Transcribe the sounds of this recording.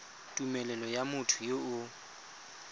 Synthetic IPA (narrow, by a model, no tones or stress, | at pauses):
tʼumɛlɛlɔjamʊtʰʊjoʊ